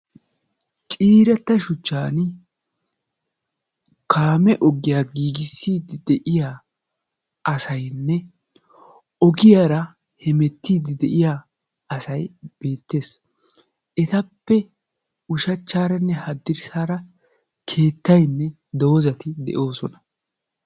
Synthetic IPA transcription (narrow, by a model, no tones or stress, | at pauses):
t͡ʃʼiːɾɐt̪ːɐʃʊt͡ʃːaːn | kʰaːmɛʔɔɡɪjaːɡiːɡɪsːiːd̪ɪd̪ɛʔɪjaː | ʔɐsɐjnːɛ | ɔɡɪjaːɾɐ | hɛmɛt̪ːiːd̪ɪd̪ɛʔɪja | ɐsɐjb̥eːt̪ːe̞ːs | ʔɛt̪ɐpːɛ | ʊʃɐt͡ʃːaːɾɐnːɛhɐd̪ːɪɾsaːɾɐ | kʰe̞ːt̪ːɐjnːɛ | d̪o̞ːzɐt̪ɪd̪ɛ̰ʔo̞ːsɔnɐ